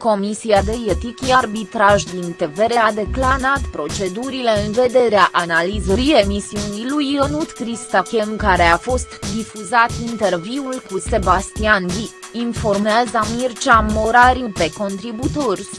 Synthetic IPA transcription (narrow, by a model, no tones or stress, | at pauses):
ko̞misiad̪e̞jet̪ikʲiarbit̪ɾaʒd̪int̪e̞ve̞ɾe̞ad̪e̞klanat̪pɾo̞t͡ʃe̞d̪uɾile̞ɨnve̞d̪e̞ɾeaʔanalizəɾije̞misiunijlujənut̪kɾist̪akʲemkaɾe̞afo̞st̪d̪ifuzat̪int̪e̞rviulkuse̞bast̪ianvʲi | info̞rmeazəmirt͡ʃamo̞ɾaɾipe̞ko̞nt̪ɾibut̪o̞rʲ